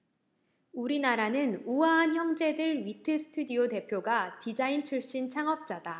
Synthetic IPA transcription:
uɾinaɾanɯnuwaançjʌŋd͡ʑe̞dɯɭɥitʰɯsʰɯ̥tʰudiote̞pʰjoɡatid͡ʑaint͡ɕʰuɭɕ͈int͡ɕʰaŋʌp̚t͡ɕ͈ad̥a

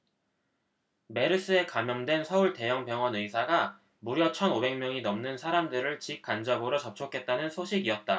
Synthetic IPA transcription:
me̞ɾɯs͈ɯe̞kamjʌŋdwe̞nsʰʌuɭte̞jʌŋpjʌŋʌnɯjsʰaɡa | muɾjʌt͡ɕʰʌnobe̞ŋmjʌŋinʌmnɯnsʰaɾamdɯɾɯɭt͡ɕik̚k͈and͡ʑʌbɯɾot͡ɕʌp̚t͡ɕʰokʰe̞t̚t͈anɯnsʰoɕʰiɡiʌt̚t͈a

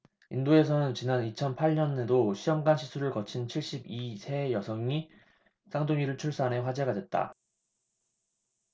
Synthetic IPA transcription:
indoe̞sʰʌnɯnt͡ɕinanit͡ɕʰʌnpʰaɭɲʌnedoɕʰiʌmɡanɕʰisʰuɾɯɭkʌt͡ɕʰint͡ɕʰiɭɕ͈ibisʰe̞jʌsʰʌŋi | s͈ʰaŋdoŋiɾɯɭt͡ɕʰuɭs͈ane̞ɸwad͡ʑe̞ɡadwe̞t̚t͈a̰

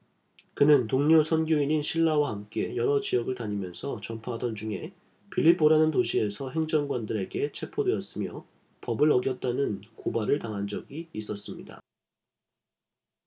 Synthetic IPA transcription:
kɯnɯntoŋɲosʰʌnɡjoiɲinɕʰiɭːawahamk͈e̞jʌɾʌt͡ɕijʌɡɯɭtaɲimjʌnsʰʌt͡ɕʌmpʰaɦadʌnd͡ʑuŋe̞̰ | pʰiʎːip͈ːoɾanɯntoɕʰie̞sʰʌɦe̞ŋd͡ʑʌŋɡwandɯɾe̞ɡe̞t͡ɕʰe̞pʰodwe̞ʌs͈ɯmjʌ | pʌbɯɾʌɡjʌt̚t͈anɯnkobaɾɯɭtaŋɦand͡ʑʌɡiːs͈ʌs͈ɯmɲida̰

